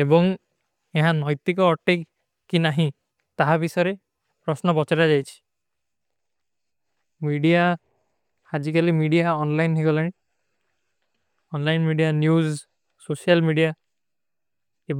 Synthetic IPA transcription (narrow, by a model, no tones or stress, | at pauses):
ebɔŋ | eɦãnɔjt̪ikɔːʈe | kːinaɦĩ | t̪aɦabisɔjɾe | pɾɔsnɔbɔt͡ʃaɾad͡ʒajt͡ʃʰi̥ | miɖija | had͡ʒikalimiɖijaɔnlajnekɔlañi | ɔnlajnmiɖijanjuz | sosialmiɖija | e